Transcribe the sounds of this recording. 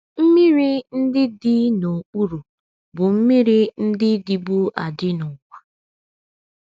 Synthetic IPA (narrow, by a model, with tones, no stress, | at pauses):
m̩˦mi˦ɾi˦n̩˦dɪ˦dɪ˦no˨k͡pu˦ɾu˨ | bʊ˨m̩˦mi˦ɾi˦n̩˦dɪ˦di˨bu˦a̰˨dɪ˦nʊ˨kʷa˨